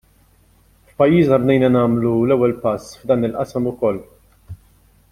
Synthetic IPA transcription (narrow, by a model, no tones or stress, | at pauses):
fpɐjːiːznɐɾnɛjnɐnɐːmlulɛwːɛlpɐsːfd̪ɐːnɪlʔɐsɐmʊkɔlː